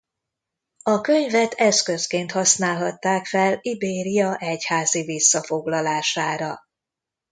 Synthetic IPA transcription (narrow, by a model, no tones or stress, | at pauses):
ɒkø̞ɲvɛt̪ʰɛskøskeːnt̪hɒsnaːlɦɒt̪ːaːkfɛlibeːɾijɒʔɛchaːzivisːɒfo̞ɡlɒlaːʃaːɾɒ